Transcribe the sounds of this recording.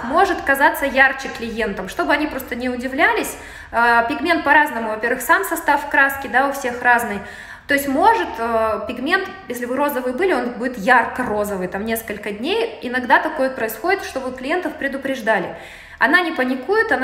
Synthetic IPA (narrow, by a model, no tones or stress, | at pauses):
mo̞ʐɨt̪kɐzat̪səjart͡ɕɪklʲɪje̞nt̪əmʂt̪o̞bɨɐnʲipɾo̞st̪ənʲɪʊdʲɪvlʲælʲɪsʲ | əːpʲɪɡmʲe̞nt̪̚pɐɾaznəmʊvɐpʲeɾvɨxsamsɐst̪afkɾaskʲɪd̪aʊfsʲe̞xraznɨj | t̪o̞ɪsʲtʲmo̞ʐɨt̪əpʲɪɡmʲe̞nt̪jesʲlʲɪbɨɾo̞zəvɨjbɨlʲɪo̞nbudʲɪt̪jarkəro̞zəvɨjt̪amnʲe̞skəlʲkədʲnʲejɪnɐɡd̪at̪ɐko̞jt̪̚pɾəɪsxo̞dʲɪt̪ʂt̪o̞bɨklʲɪje̞nt̪əfpɾʲɪd̪ʊpɾʲɪʐd̪alʲɪ | ɐnanʲɪpənʲɪkujɪt̪ɐn